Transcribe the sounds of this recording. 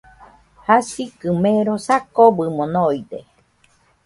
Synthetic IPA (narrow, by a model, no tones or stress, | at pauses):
hasikɨmeɾosakobɨmonoid̪e